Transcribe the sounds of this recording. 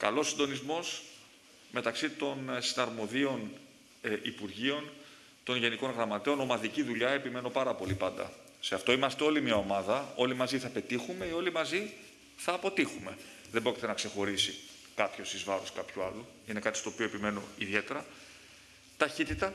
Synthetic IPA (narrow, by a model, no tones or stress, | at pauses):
kɐ̰lo̞sːind̪o̞nizmo̞s | me̞t̪ɐksit̪o̞nsinɐɾmo̞ðio̞n | ʔipuɾʝio̞n | t̪o̞nʝe̞niko̞nɣɾɐmɐt̪eo̞no̞mɐðiciðuʎɐe̞pime̞no̞pɐɾɐpo̞lipɐnd̪ɐ̰ | se̞ɐft̪o̞imɐst̪eo̞limiɐo̞mɐðɐo̞limɐziθɐpe̞t̪ixume̞io̞limɐzi | θɐːpo̞t̪ixume̞ | ðembɾo̞cit̪e̞nɐkse̞xo̞ɾisi | kɐpço̞sizvɐɾoskɐpçuɐ̰lu | ine̞kɐt̪i̥st̪opio̞epime̞no̞iðe̞t̪e̞ɾɐ | t̪ɐçit̪it̪ɐ